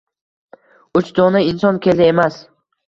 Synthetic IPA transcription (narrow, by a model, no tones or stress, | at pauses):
ʊt͡ʃd̪ɒnaɪnsɒnkʲʰelɪemas